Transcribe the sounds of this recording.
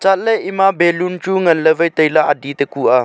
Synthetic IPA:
t͡ʃat̪̚ləjʔimãbelunt͡ʃuŋɐnləʋəjt̪əilaʔadit̪əkua

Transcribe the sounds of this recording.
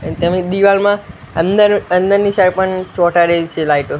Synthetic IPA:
t̪emĩd̪iʋalmã | ənəənd̪əɾnisaɾpəɳt͡ʃɔʈaɾed͡ʒt͡ʃʰelajʈu

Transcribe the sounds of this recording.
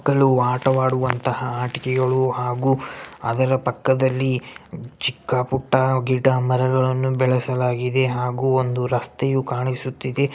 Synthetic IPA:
kːɐɭuaːʈɐʋaːɽuʋɐnt̪ɐhɐaːʈikɛɡɐɭuɦaːɡuːɐd̪ɐɾɐpɐkːɐd̪ɐlːit͡ʃikːɐpuʈːɐɡiɖɐmɐɾɐɡɐɭɐnːubɛɭɛsɐlaːɡid̪e̞ɦaːɡuːond̪uɾɐst̪ɛjukaːɳisut̪ːid̪e̞

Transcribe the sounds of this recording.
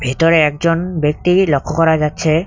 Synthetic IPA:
bʱit̪ɔɾeɛk̚d͡ʑɔnbek̚t̪ilɔkʰːɔkɔɾad͡ʑatːɕʰe

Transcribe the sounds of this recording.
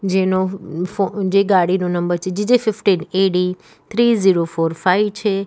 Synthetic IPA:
d͡ʒenood͡ʒeɡaːɽinonəmbəɾt͡ʃʰed͡ʒɪd͡ʒefɪfʈineːɽi | t̪ʰɾiːziːɾofoːɾfaiʋt͡ʃʰe

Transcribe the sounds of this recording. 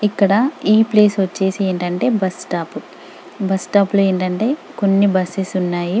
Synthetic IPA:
ikːɐɽɐiːple̞ːsʋɐt͡ʃːe̞ːsieːɳʈɐɳʈe̞ːbɐsʈaːpu | bɐsʈaːpulueːɳʈɐɳʈe̞ːko̞nːibɐsisunːaːju

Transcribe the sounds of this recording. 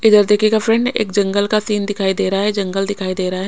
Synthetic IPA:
ɪd̪əɾd̪eːkʰikafɾɛ̃ɳɖḛːk̚d͡ʒɐ̃ŋɡəlkasiːnd̪ɪkʰaːid̪eːɾaɦaɦɛd͡ʒɐ̃ŋɡəld̪ɪkʰaːid̪eːɾaɦaɦɛ

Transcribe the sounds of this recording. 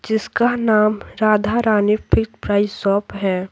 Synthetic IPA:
d͡ʒɪskanaːmɾaːd̪ʱaɾaːnɪpʰɪktpɾaːɪssɔːpɦɛː

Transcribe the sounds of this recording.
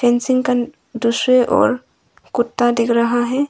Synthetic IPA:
pʰẽnsɪ̃ŋɡka | d̪usɾeʔɔ̰ːɾ | kʊt̪ːadɪkʰɾəɦaɦɛ

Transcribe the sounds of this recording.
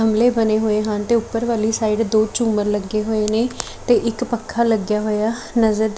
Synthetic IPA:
ɦəmleːbəneːɦoːeːɦaːnt̪eːʊpːəɾʋaːliːsaːiɖd̪oːt͡ʃuːməɾləɡːeːɦoːeːneː | t̪eːʔɪkpəkʰːaːləɡjaːɦoːjaː | nəzəɾ

